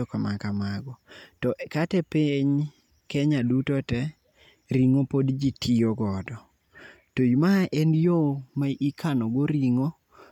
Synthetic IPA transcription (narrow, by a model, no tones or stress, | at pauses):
ɔkamakamaɡɔtɔʔkatɛpeɲ | kɛɲadutotɛ | ɾiŋopodd͡ʒitʰioɡɔdɔ | tojmaʔɛnjomaʔikʰanɔɡoɾiŋo